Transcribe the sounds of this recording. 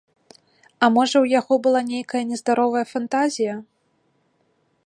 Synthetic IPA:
ɐmɔʐɐwjaɣɔbɨlˠanʲejkɐjɐnʲɛzd̪aɾɔvɐjɐfant̪azʲijɐ

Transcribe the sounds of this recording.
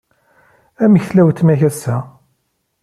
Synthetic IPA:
æməçθlæwt̪ːmæçæsːæ

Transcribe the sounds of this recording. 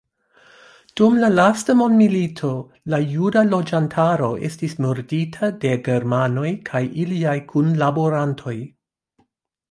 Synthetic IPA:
d̥umlalastamo̞ndmilitʰo̞ | lajudalo̞d͡ʒantʰaɾo̞ʔe̞̰stismoɾditʰade̞ɡe̞ɾmano̞jkʰajʔiliajkʰunlaboɾantʰo̞j

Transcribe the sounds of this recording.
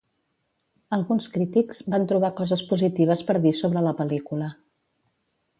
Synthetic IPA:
əlˠɣunskɾit̪ikz̥bant̪ɾuβ̞akɔzəspuzit̪iβ̞əspəɾðisoβɾələpəlikulə

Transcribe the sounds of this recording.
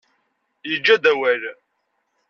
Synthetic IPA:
jəd͡ʒːæd̪æwæl

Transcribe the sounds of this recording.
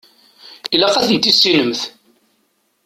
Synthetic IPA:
ilæqæθənt̪isːinəmθ

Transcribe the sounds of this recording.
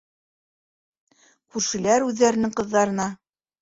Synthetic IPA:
kʉɾʃɘ̆læɾʉðːæɾɘ̆nɘ̆ŋqɤ̆ðːɑɾɤ̆nɑ

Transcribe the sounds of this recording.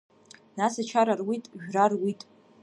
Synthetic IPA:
nasat͡ʃʰaɾarwitʼʒᶣrarwitʼ

